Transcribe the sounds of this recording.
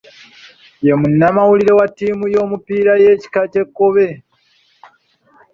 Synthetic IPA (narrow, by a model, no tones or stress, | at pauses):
je̞munːamawuliɾe̞watːiːmujo̞ːmupiːɾaje̞ːci̥kace̞kːoβe̞